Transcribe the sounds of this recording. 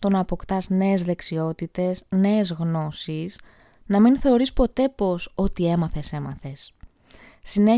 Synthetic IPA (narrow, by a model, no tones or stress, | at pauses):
t̪onɐːpo̞kt̪ɐsne̞ːzðe̞ksio̞t̪it̪e̞sne̞ːzɣno̞sis | nɐminθe̞o̞ɾispo̞t̪e̞po̞so̞t̪ie̞mɐθe̞se̞mɐθe̞s | sine̞